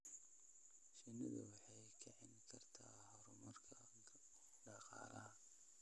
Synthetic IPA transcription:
ʃɪnɪðɐ̰wɑħɑjkʰɐʕɪnkʰɐrt̪ʰaːhɔɾʊmʊrkʰɐ | ɖɑqɑ̰ːlɐ̰ɦɐ

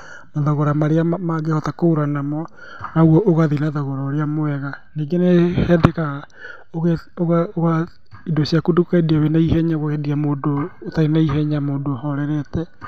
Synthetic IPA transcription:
maðaɣoɾamaɾeamaɣehɔtakooɾanamɔ | naoɣwɔʔoɣaðinaðaɣoɾaoɾeamoɛɣaniɡenehɛdɛkaɣ | oɣeoɣaoɣa | idosjakodukaediawenaihɛɲaɣoɣediamoːdootaɾinaiɦɛɲamoːndohɔɾɛɾɛtɛ

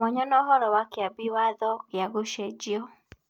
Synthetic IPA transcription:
ɔɲɔnɔɦɔɾɔwakɪabiwaðɔkɪaɣoʃɛd͡ʒiɔ

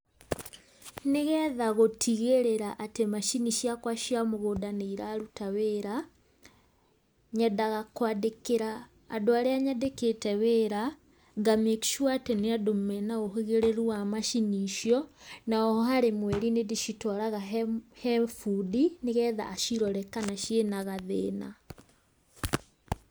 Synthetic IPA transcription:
neɣɛːðaɣotʰiɣeɾeɾaʔatemaʃiniʃiakwaʃiamoɣodaneiɾaɾutaweːɾa | ɲɛdaɣakwadekeɾaː | doaɾeaɲɛdeketɛweːɾa | ɡameki̥ʃwatɛneadomɛnaoɦeɣeɾeɾuwamaʃiniʃjɔnaɔhɔɦaɾemwɛɾinediʃitɔɾaɣahɛfudineɣɛða̰ːʃiɾɔɾɛkanaʃjenaɣaðeːna̰

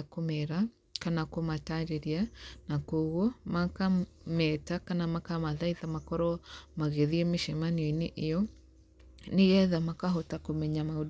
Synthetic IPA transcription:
akomɛɾa | kanakomataɾeɾianakoɣɔmakamɛtakanamakamaðaiðamakɔɾɔmaɣeðiɛmeʃɛmaniɔineʔejɔ | neɣɛðamakaɦotakomɛɲamao

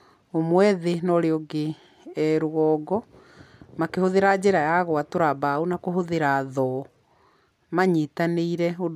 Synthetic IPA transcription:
omwɛðenɔɾeoɡe | ɛɾoɣɔːɡɔ | makehoðeɾad͡ʑeɾajaɣwatoɾabaonakoɦoðeɾaðɔ | maɲitaneiɾɛo

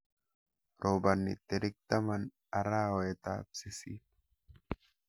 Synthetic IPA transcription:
ɾoːbɐnːɪ̰t̪ːɪɾɪk̚t̪ɐmɐn | ɐɾaːwɔɛt̪aːbsɪsiː

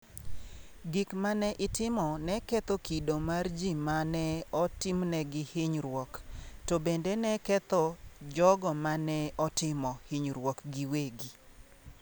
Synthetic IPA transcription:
ɡikmanɛʔɪtɪmɔnɛkɛt̪ɔkidomard͡ʒimanɛɔtɪmnɛɡɪhɪɲɾwɔktobendenɛkɛt̪ɔd͡ʒɔɡɔmanɛɔtɪmɔhɪɲɾwɔkɡiweɡi

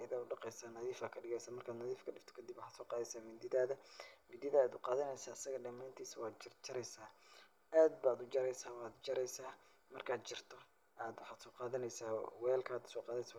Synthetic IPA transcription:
ɐɣaːʊɖɑqɛjsaːnɐðiːfaːkʰɐɖɪɣɛjsaːmɐrkʰaːd̪nɐðiːfkʰɐɖɪft̪ʰɔ̥kʰɐd̪ɪbwʊħɑːd̪sɔːqɑːðɛjsaːmɪd̪ɪðaːðɐmɪd̪ɪðaːd̪ʊqɑːðɐnɛjsaːɪsɐɣɐɖɐmaːnt̪ʰiːswɑːt͡ʃɪrt͡ʃɐɾɛjsaː | aːd̪̚baːd̪ʊd͡ʒɐɾɛjsaːwɑːd̪t͡ʃɐɾɛjsaː | mɐrkʰaːd̪t͡ʃɪrt̪ʰɔ | ʔaːd̪wʊħɑːd̪sɔːqɑːðɐnɛjsa̰ːwɛːlkʰaːd̪ʊ̥sɔːqɑːðɛsa

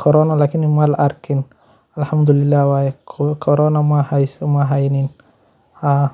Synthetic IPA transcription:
kʰɔɾɔnalaːkʰɪnɪmalɐʔɐɾkʰɪn | ɐlħamd̪ʊlɪlːaːhwaːjɛkʰɔɾɔːnɐmahajsmɐɦɐjnɪn | haː

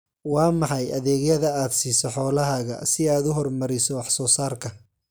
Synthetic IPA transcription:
wɑːmɑħɑjʔɐðɛːɣjɐðɐaːd̪siːsɔħɔːlɐɦaːɣɐ̰sɪaːd̪ʊɦɔrmɐɾɪsɔwɑħsɔːsaːrkʰɐ

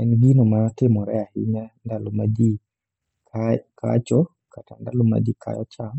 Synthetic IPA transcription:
ɛnɡinomatɪmɔɾɛahɪɲandalomadi | kakʰa̰t͡ʃɔ | katandaloma̰d͡ʒikʰa̰jɔt͡ʃam

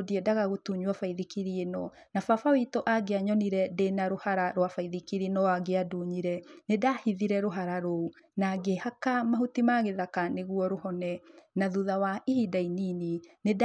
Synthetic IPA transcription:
diɛdaɣaɣotuɲuwafaiðikiɾienɔ | nafafawitɔʔaɡeaɲɔniɾɛdenaɾohaɾaɾwafaiðikiɾinɔwaɡeaduɲiɾɛnedahiðiɾɛɾoɦaɾaɾounaɡehakamahutimaɣeðakaneɣuɔɾohɔnɛnaðuðawaihidaininined

